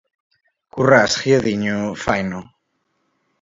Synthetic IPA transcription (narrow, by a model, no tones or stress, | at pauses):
kurasχjaðiɲofajno